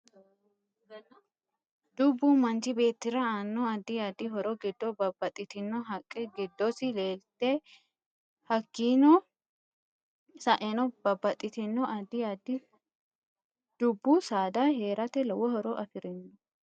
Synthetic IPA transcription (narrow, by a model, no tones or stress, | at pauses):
d̪̥ʊbːumɐnt͡ʃɪbe̞ːt̪ːɪɾɐaːnːɔɐd̪ːɪjaːd̪ːɪɦɔɾɔɡɪd̪ːɔbɐbːɐt̪ʼɪt̪ɪnːɔɦɐkʼːɛɡɪd̪ːɔsɪle̞ːlt̪ɛ | hɐkːiːnɔ | sɐʔɛnɔb̥ɐbːɐt̪ʼːɪt̪ɪnːɔʔɐd̪ːɪjaːd̪ːɪ | d̪̥ʊbːusaːd̪ahe̞ːɾɐt̪ɛlɔwɔhɔɾɔʔɐfɪɾɪnːɔ